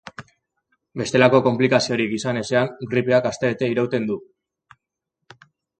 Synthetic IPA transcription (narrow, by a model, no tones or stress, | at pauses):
be̞st̪e̞lako̞ko̞mplikasio̞ɾikisane̞se̞aŋɡɾipeakast̪e̞et̪e̞iɾowt̪e̞nd̪u